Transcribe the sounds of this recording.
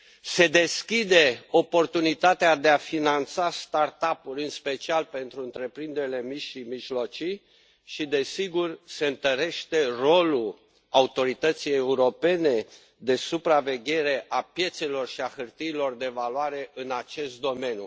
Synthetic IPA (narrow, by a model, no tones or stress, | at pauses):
se̞d̪e̞skʲid̪e̞o̞po̞rt̪unit̪at̪ead̪e̞afinant̪sast̪art̪apulʲɨnspe̞t͡ʃialpe̞nt̪ɾuɨnt̪ɾe̞pɾind̪eɾile̞miʃimiʒlo̞t͡ʃij | ʃid̪e̞siɡurse̞ɨnt̪əɾe̞ʃt̪e̞ro̞lul | aut̪o̞ɾit̪ət̪sije̞uɾo̞pe̞ne̞ | d̪e̞supɾave̞ɡʲe̞ɾe̞ʔapje̞t̪se̞lo̞rʃiaxɨrt̪iːlo̞rd̪e̞valwaɾe̞ʔɨnat͡ʃe̞st̪̚d̪o̞me̞njṵ